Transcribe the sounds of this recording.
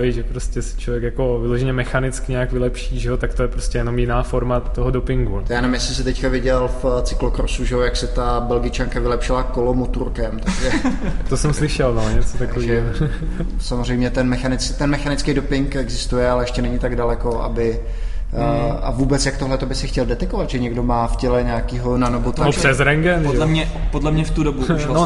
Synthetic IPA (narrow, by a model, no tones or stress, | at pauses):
ɛjʒɛpɾoscɛsɪ̥t͡ʃlovjɛkjakovɪloʒɛɲɛmɛxanɪt͡skɪɲɛakvɪlɛpʃiːʒɛɦot̪akt̪ojɛpɾoscɛjɛnomjɪnaːfoɾmat̪oɦodopɪŋɡujaːnɛvɪmjɛsɪsɛt̪ɛckavɪɟɛlft͡sɪ̥klokɾosuʒɛojaksɛt̪abɛlɡɪt͡ʃaŋkavɪlɛpʃɪlakolomot̪uɾkɛmt̪aɡʒɛt̪osɛmslɪʃɛlnoɲɛt͡sot̪akoviːɦoo | samozr̝ɛjmɲɛt̪ɛnmɛxanɪt͡st̪ɛnmɛxanɪt͡skejdopɪŋkɛɡzɪst̪ujɛalɛɛʃcɛnɛɲɪt̪aɡdalɛko̞ʔa̰bɪ | a̰vuːbɛt͡sjakt̪oɦlɛt̪obɪsɪxcɛldɛt̪ɛkovad̪ʒɛɲɛɡdo̞maːfcɛlɛɲaakiːɦo̞nanobot̪asɛzɾɛŋɡɛnʒɛlɛmɲɛpodlɛmɲɛft̪udobuʃln